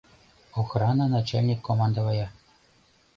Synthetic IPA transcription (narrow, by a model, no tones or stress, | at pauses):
oxrɑnɤ̆nɑt͡ɕalʲnʲikːomɑnd̪ɤ̆vɑjɑ